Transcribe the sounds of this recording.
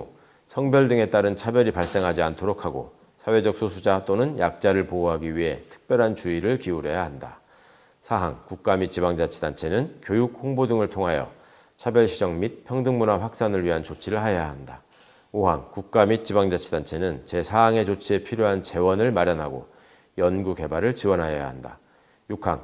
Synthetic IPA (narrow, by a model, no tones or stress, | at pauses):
sʰʌŋbjʌɭdɯŋe̞t͈aɾɯnt͡ɕʰabjʌɾipaɭs͈e̞ŋɦad͡ʑiantʰoɾokʰaɡo̰ | sʰawe̞d͡ʑʌk̚s͈ʰosʰud͡ʑat͈onɯnjak̚t͡ɕ͈aɾɯɭpouɦaɡiɥiɦe̞̰tʰɯ̥k̚p͈jʌɾɦant͡ɕuiɾɯɭkiuɾe̞jaɦanda̰ | sʰaɦa̰ŋkuk̚k͈amit̚t͡ɕ͈ibaŋd͡ʑat͡ɕʰi̥dant͡ɕʰe̞nɯnkjojuk̚hoŋbodɯŋɯɭtʰoŋɦajʌ̰ | t͡ɕʰabjʌɭɕʰid͡ʑʌŋmit̚pʰjʌŋdɯŋmunaɸwak̚s͈anɯɭɥiɦant͡ɕot͡ɕʰiɾɯɭɦajaɦanda | oɦa̰ŋkuk̚k͈amit̚t͡ɕ͈ibaŋd͡ʑat͡ɕʰidant͡ɕʰe̞nɯnt͡ɕe̞sʰaɦaŋe̞t͡ɕot͡ɕʰie̞pʰiɾjoɦant͡ɕe̞wʌnɯɭmaɾjʌnɦaɡo̰ | jʌnɡuke̞baɾɯɭt͡ɕiwʌnɦaja̰ɦanda̰ | jukʰa̰ŋ